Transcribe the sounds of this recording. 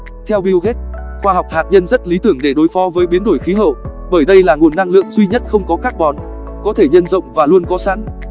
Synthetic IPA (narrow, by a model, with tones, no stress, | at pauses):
t̪ʰɛ˧wɓi˧wɣe˦˥t̚ | xwaː˧ɦwk͡p̚haː˨˩t̚ɲə˧nzə˦˥t̚li˨˦t̪ɨ˧˩əŋɗe˧˩ɗo˨˦jfɔ˨˦vəː˨˦jɓi˨˦ənɗo˧˩jxi˨˦ɦə̰˧˨w | ɓəː˧˩jɗə˧jlaː˨˩ŋu˨˩ənːa˧ŋlɨ̰˧˨əŋzwi˧ɲə˦˥t̚xə˧wŋ͡mkɔ˨˦kaː˦˥k̚ɓɔ˨˦n | kɔ˨˦t̪ʰe˧˩ɲə˧nzə̰˧˨wŋ͡mvaː˨˩lu˧ənkɔ˨˦sa̰ː˧˥n